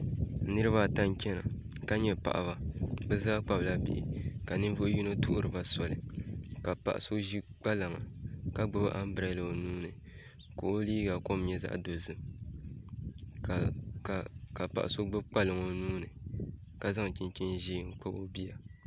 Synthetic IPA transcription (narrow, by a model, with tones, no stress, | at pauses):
nɨ˦ɾɨ˦βaː˦˨ta˦ŋ˦kʲɛ˦na̰˨ | ka˦ɲɛ˦pa̰˨ʔa̰˨βa˨bɛ˦zaː˦k͡pa˨bla˦bḭ˨ʔɪ̰˨ka˨nɨ˦vʊ˦ju˦no˦tʊ˦ʔʊ̰˦ɾɨ˨ba˦sɔ˨lɨ˨ka˨pa̰˨ʔa˨so˦ʒi˦ɡ͡ba˦la˨ŋa̰˨ka˦ɡ͡bɨ˦˨bɨ̰˦ʔa˦m̩˦bɨ˨ɾa˨˦lɨ˨o˨nuː˦nɨ˨ | ko˨o˦liː˦ɡa˨ko˦m˦ɲɛ˦za̰˦ʔdo˨zɨ˨m˨ | ka˨pa̰˨ʔa˨so˦ɡ͡bɨ˦k͡pa˦lɨ˨ŋo˨nuː˦nɨ˨ | ka˦za˦ŋ˨t͡ʃi˨n˦t͡ʃi˦nʒiː˦ŋ̩˦k͡pa˦bo˦bi˦a˨